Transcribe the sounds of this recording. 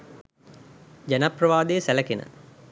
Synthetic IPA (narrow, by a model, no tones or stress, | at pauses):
d͡ʒanaprəʋaːd̪ejːsælɐkenə̰